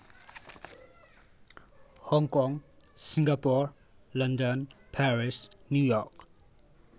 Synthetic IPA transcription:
hɔŋkɔŋsiŋɡapɔɹ | lʌndɔnpʰɛɹisnjujɔk

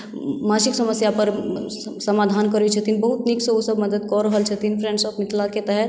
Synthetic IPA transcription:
mãʃiksəməsjapəɾ | səmaːd̪ʱaːnkəɾit͡ʃʰɛt̪ʰinbəɦut̪nikseosəbməd̪əd̪̚kɔɾəɦəlt͡ʃʰɛt̪ʰinpʰɾẽɳɖsəpmɪt̪ʰlaket̪ɛɦɛɾ

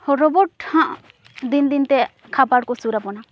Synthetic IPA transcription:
hɔɾɔbɔʈhãʔ | d̪ind̪int̪ɛ | kʰabaɽkɔsuɾapɔna

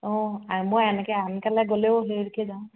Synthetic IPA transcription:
ɔ̃amojɛnɛkɛankalɛɡolɛʊɦeɹkɛzaw̃

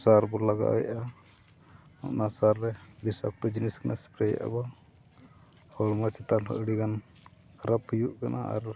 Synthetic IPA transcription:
saɾbɔlaɡa̰wɛa | ɔ̰ʔnasaɾːɛbisa̰k̚t̪ɔd͡ʒiniskanʔaspɾɛj̰ʔa̰ba | ɔɾmat͡ʃɛt̪alɦɔ̰ʔɽikan | kɾaphijuʔkana̰a̰ɾ

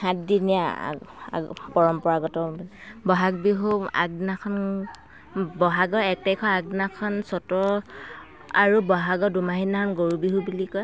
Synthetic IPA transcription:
hãtdinija̰a̰pɔɹɔmpɔɹaɡɔtɔbɔɦak̚biɦua̰ɡ̚nakʰɔn | bɔɦaɡɔɛk̚tajkʰɔaɡ̚nakʰɔnsɔtɔ | a̰ɹubɔɦaɡɔdumaɦinakʰɔnɡoɹubiɦubulikɔj

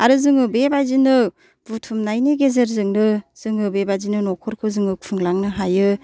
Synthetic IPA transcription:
aɾɯzɯŋɯbebajzinɯ | b̥utʰumnajniɡezeɾzɯŋnɯz̥ɯŋɯbebajzinɯnɔkʰɔɾkʰɯzɯŋɯpʰɯŋlaŋnɯɦajɯ

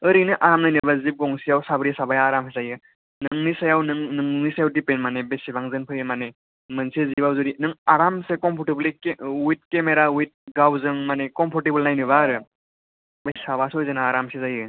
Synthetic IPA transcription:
ɯɾinɯʔaɾamnajnɯbazip̚ɡɔŋsijawsabɾijasabajaːɾamsezajɯ | nɯŋnisajawnɯŋnɯŋnisajawdipenmanebesibaŋzɯnpʰɯjɯmane | mɯnsezibawzuɾinɯŋaɾamsekɔmpʰɔɾʈeblekwit̚kemeɾawit̚ɡawzɯŋmanekɔmpʰɔɾʈebəlnajnɯβaɾɯ | bajsabasɔjzɯnaːɾamsezajɯ

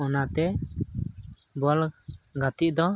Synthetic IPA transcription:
ɔnat̪ɛ | bɔlɡat̪iʔ̚d̪ɔ

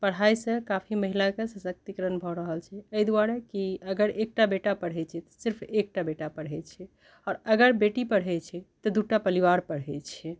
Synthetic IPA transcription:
pəɽ̤ajsə̃kapʰiməɦilakesəsək̚t̪ikəɾənbʱɔɾəɦəlt͡ʃʰɛəjd̪uaɾekiəɡəɾek̚ʈabeʈapəɽ̤ɦɛt͡ʃʰɛt̪ɔ̥siɾpʰek̚ʈabeʈapəɽ̤ɦɛt͡ʃʰɛ | ɔɾəɡəɾbeʈipəɽ̤ɦɛt͡ʃʰɛt̪ɔd̪uʈapəliʋaɾpəɽɦɛt͡ʃʰɛ

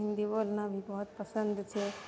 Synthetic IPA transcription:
ɪ̃nd̪iboːlnabʱibɔɦʊt̪̚pəsənd̪t͡ʃʰe

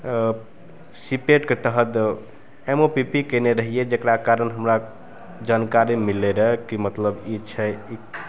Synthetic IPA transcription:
sipeʈket̪əɦət̪ | emopipikeneɾəɦied͡ʒekɾakaɾənɦəmɾa | d͡ʒankaɾimilːeɾəɦkimət̪ləbit͡ʃʰɛi

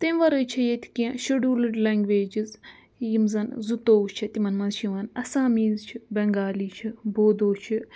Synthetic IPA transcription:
t̪ɐmʋɐɾɐt͡ʃʰɐjet̪ʰi̥kiãʃɐɖuːlɨɖlɐŋɡʋeːd͡ʒiz | jimzɐnzut̪oːt͡ʃʰɐt̪imɐnmɐnzʃiʋɐnɐsaːmiːzt͡ʃʰibɐŋɡaːliːt͡ʃʰiboːd̪oːt͡ʃʰi

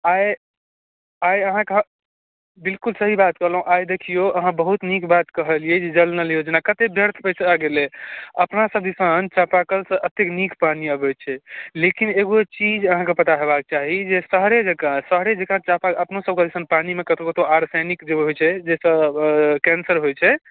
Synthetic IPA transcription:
aj | ajəɦãkeɦ | bilkulsəɦibat̪kəɦləɦũʔajd̪ekʰijoəɦãbəɦut̪nikbat̪kəɦəlijɛd͡ʒed͡ʒəlnəlijod͡ʒenakət̪ebʱjəɾt̪ʰpəjsaɡeleəpnasəb̚d̪isənt͡ʃapakəlsə̃ʔət̪eknikʰpaniəbɛt͡ʃʰɛlekineɡot͡ʃid͡ʒəɦãkepət̪aɦebak̚t͡ʃaɦid͡ʒesəɦɾed͡ʒekãsəɦɾed͡ʒekãt͡ʃapaəpnosəb̚ked̪isənpanimekət̪okət̪oʔaɾsajnikd͡ʒeɦojt͡ʃʰɛd͡ʒesə̃kɛnsəɾɦojt͡ʃʰɛ

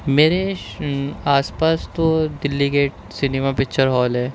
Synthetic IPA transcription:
meːɾe | aːspaːst̪od̪ɪlːike | sɪnemapɪkt͡ʃəɾɦɔːlɦɛː

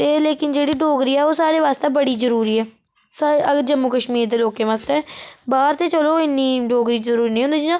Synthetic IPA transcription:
t̪eːleːkɪnd͡ʒeːɽiːɖoːɡɾiːɛːoːsaːɾeːʋaːst̪eːbəɽiːzəɾuːɾiːɛː | saəɡd͡ʒəmːuːkəʃmiːɾd̪eːloːkẽːʋaːst̪eɛːbaːɾt̪eːt͡ʃəloːɪnːiːɖoːɡɾiːəɾuːɾiːnĩːɦʊ̃nd̪iːd͡ʒinãː

